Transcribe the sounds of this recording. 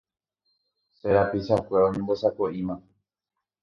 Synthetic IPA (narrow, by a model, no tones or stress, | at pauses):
seɾapiʃakʷeõɲẽmbosakoĩmã